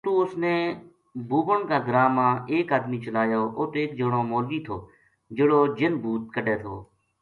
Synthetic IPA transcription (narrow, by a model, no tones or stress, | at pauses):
t̪oːʊsneː | buːkəɳkaːɡəɾaːmãːeːkaːd̪miːt͡ʃəlaːjoːʔoːt̪oeːkd͡ʒoɽoːmoːlʋiːt̪ʰoː | d͡ʒɪɽoːd͡ʒɪnbʱuːt̪̚kəɖeːt̪ʰo̰ː